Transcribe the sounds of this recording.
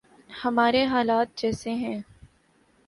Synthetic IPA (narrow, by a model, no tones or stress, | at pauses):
hɐmaːɾeɦaːlaːt̪̚d͡ʒɛːseɦɛ̃ː